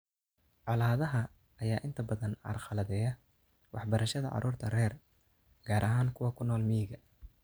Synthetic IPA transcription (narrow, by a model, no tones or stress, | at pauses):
ʕɑlaːðɐɦɐː | jaːʔɪnt̪ʰɐbɐðɐnɑ̰rqɑlɐðɛːjɐ | wɑħbɐɾɐʃɐðɐʕɑ̰ɾʔuːrt̪ʰɐrɛːr | ɡ̥aːɾʔɐɦaːŋkʰʊwɐkʰʊnːɔːlmiɣɐ